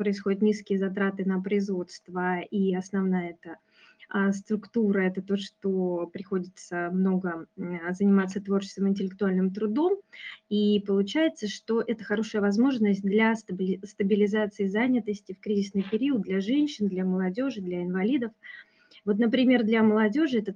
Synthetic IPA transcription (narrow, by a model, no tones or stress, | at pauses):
pɾəɪsxo̞dʲɪt̪nʲiskʲɪjəzɐt̪ɾat̪ɨnəpɾəɪzvo̞t̪st̪vəiɐsnɐvnajəɛt̪ə | əst̪ɾʊkt̪uɾəɛt̪ət̪o̞ʂt̪o̞pɾʲɪxo̞dʲɪt̪səmno̞ɡəzənʲɪmat̪sət̪vo̞rt͡ɕɪ̥st̪vəmɪnʲtʲɪlʲɪk̚t̪ʊalʲnɨmt̪ɾʊd̪o̞mipəlˠʊt͡ɕæjɪt̪səʂt̪o̞ʔɛt̪əxɐɾo̞ʂɨjəvɐzmo̞ʐnəsʲt̚ʲd̪lʲɐst̪bʲst̪əbʲɪlʲɪzat̪sɨɪzanʲɪt̪əsʲtʲɪfkɾʲizʲɪsnɨjpʲɪɾʲiʊət̪̚d̪lʲaʐɛnʲɕːɪnd̪lʲɐməlˠɐdʲo̞ʐɨd̪lʲaɪnvɐlʲid̪əf | vo̞t̪̬nəpɾʲɪmʲe̞rd̪lʲɐməlˠɐdʲo̞ʐɨɛt̪ə